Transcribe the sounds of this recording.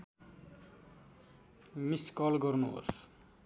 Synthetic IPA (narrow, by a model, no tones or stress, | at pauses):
miskʌlɡʌrnuɦo̰s